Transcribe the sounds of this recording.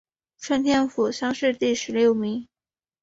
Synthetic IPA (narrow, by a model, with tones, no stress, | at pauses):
ʈ͡ʂʰwə˥nt̪ʰjɛ˥nfu˨˩ɕjɑ˥ŋʂɻ̩˥˧t̪i˥˩ʂɻ̩˧˥ljo˥˩ʊmi˧˥ŋ